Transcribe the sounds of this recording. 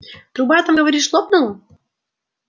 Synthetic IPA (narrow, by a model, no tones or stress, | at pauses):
t̪ɾubat̪amɡəvɐɾʲiʃlˠopnulˠə